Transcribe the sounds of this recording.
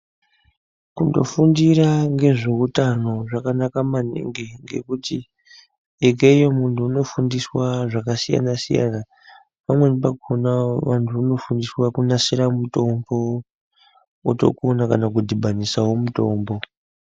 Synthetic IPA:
kundo̞̰fundiraŋɡe̞ʐe̞kutano̞ʐakanakamanḭŋɡeŋɡe̞̰kuti | ek̬eijomuntʰuːno̞fundiswaʐakasija̰nasḭja̰na | pamwe̞nip̬akonaʋantʰuːno̞fundiswakunasiɾamuto̞mbo̞ | oto̞̰kuonakanak̬udibʱanisawomuto̞̰ːmbo̞

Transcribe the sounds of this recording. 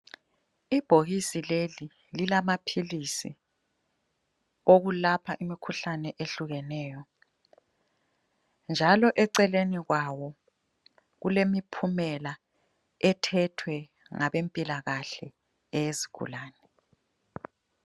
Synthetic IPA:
ib̥ʱoɣisileli | lilamapʰilisḭ | oɣulapʰaʔimikʰuɬanɛʔeɬuɣɛnɛːjɔ | nd͡ʒʱalɔʔɛǀɛleniɣwawɔ | ɣulemipʰumɛla | ɛtʰɛtʰwɛ | ŋaβempʼilaɣaɬɛ | ɛjeziɡ̥ʱṵlaːnɛ

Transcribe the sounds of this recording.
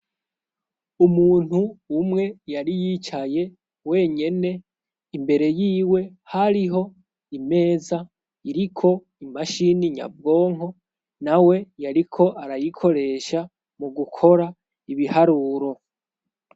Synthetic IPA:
umuːn̥huːmŋe̞jaɾijit͡ʃaje̞ | we̞ɲe̞ne̞ | imbe̞ɾe̞jiːwe̞ | haɾiɦo̞ | ime̞ːza | iɾikʰo̞ | imaʃiniɲa̰b̚ɡo̞ːŋ̥ɦo̞ | nawe̞jaɾikʰo̞ʔaɾajikʰo̞ɾe̞ːʃa | muɡukʰo̞ɾa | iβihaɾuːɾo̞

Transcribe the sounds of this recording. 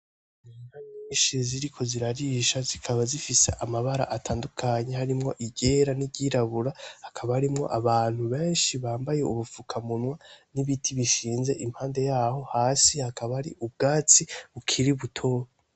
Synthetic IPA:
inhaɲiːnʃiziɾikʰo̞ziɾaɾiʃazikʰaβazifisḛʔamaβaɾa̰ʔatʰaːndukʰaɲe̞haɾimŋo̞ʔiɟe̞ːɾaniɟiɾaβuɾahakʰaβahaɾimŋo̞̰ʔaβaːn̥huβe̞ːnʃiβaːmbajeuβufukʰamunwaniβitʰiβiʃiːnze̞ʔim̥haːnde̞jaːho̞haːsihakʰaβaɾḭʔub̚ɡaːt͡siβukʰiɾiβutʰoːβa

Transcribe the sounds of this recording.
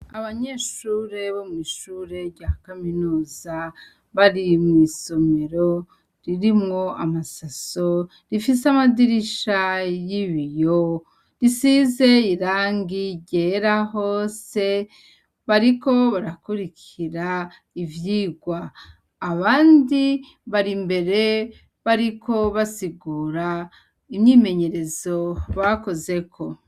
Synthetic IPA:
aβaɲe̞ːʃuɾe̞βomŋiːʃuːɾe̞ɾɟakaminuːza | βaɾimŋiːso̞me̞ɾo̞ | ɾiɾimŋo̞amasaso̞ | ɾifiseamadiɾiʃajiβijo | ɾisize̞iɾaːŋɡiɟeɾaɦo̞ːse̞ | βaɾiko̞βaɾakuɾikʰ | iɾa | ivjiːɡwaː | βaːndi | βaɾimbe̞ɾe̞ | βaɾikʰo̞βasiɡuːɾa | imɲiːme̞ɲe̞ɾe̞zo̞βako̞ze̞kʰo̞

